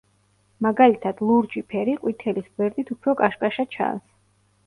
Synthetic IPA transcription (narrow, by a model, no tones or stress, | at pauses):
maɡalit̪ʰad̪̥lˠuɾd͡ʒipʰɛɾiqʼwit̪ʰɛlisɡwɛɾd̪ʼit̪ʰupʰɾɔkʼaʃkʼaʃat͡ʃʰa̰ns